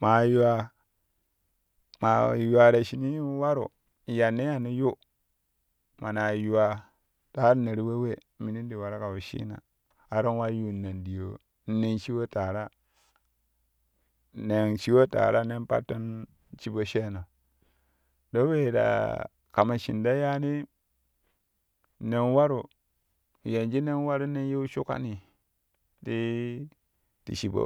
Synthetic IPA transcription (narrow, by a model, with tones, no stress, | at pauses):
ma˨ju˦wa˨ | ma̰˨ju˨a˨da˨ʃi˨ni˦wa˦ɾṵ˨ | ja˨nːe˦a˨ni˦ju˦ | ma˨na˨ju˨wa˨ | ta˦ne˨ɾi˦we˦we˦˨˦mi˨ni˦ndi˨wa˨ɾa˦ka˨wu˨ʃḭ˦na̰˨ | a˨ɾo˦nwa˦ju˦˨na˨ndi˨jo˨ | n̩˦ne˦nt͡ʃi˦wo˦ta˨ɾa˦ | ne˨nʃi˦wo˦ta̰˨ɾa˦ne˦npa̰˦tːo˦n | t͡ʃi˦bo˦ʃe˦no˨ | do˦we˦˨da̰˨ | ka˨ma˨ʃḭ˨nda˦ja˦ni˦ | ne˨nwa˦ɾu˨ | je˨nd͡ʒi˦ne˦n˦wa˦ɾu˦ne˦n˦je˦u˦ʃu˦ka̰˦ni˨ | ti˦ | tḭ˨ʃi˨bo̰˦